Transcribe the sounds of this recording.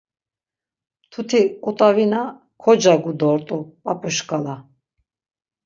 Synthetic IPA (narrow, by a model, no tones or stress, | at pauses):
t̪ʰut̪ʰikʼut̪ʼavina | kʰɔd͡ʒaɡud̪ɔɾt̪ʼupʼapʼuʃkʼala